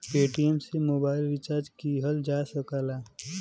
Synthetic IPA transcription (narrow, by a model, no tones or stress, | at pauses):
peːʈiemsemoːbaːɪlʋɪt͡ʃaːɾd͡ʒkiɦəld͡ʒaːsəkalaː